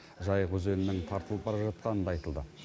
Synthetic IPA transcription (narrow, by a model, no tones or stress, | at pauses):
ʒɑjʁɵze̞nɪnɪŋt̪ʰɑɾt̪əlˠəp̚bɑɾɑʒɑt̪̚qɑnənd̪ɑɑjt̪əlˠd̪ə